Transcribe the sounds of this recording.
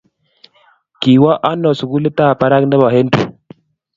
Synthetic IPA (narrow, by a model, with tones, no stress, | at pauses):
ki˨wa˦ʔa˦nɔ˨su˨ɡu˦li˦ta˦˨pa˦ɾa˦knda˦ba˨ɦe˦n˦tṵ˨